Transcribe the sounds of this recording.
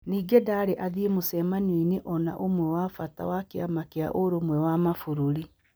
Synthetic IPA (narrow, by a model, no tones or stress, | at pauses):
niːɡedaːɾeʔaðiemosɛmanwineʔɔnaʔomwɛwafata̰wakeamakea̰ʔoɾomwɛwamafuɾoɾi